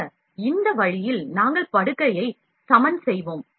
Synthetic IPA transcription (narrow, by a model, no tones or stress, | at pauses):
ɪnd̪ɐʋɐɻɪjɪlnaːŋɡɐɭpɐɽɯkːɐjɐɪ | sɐmɐnsɛjʋoːm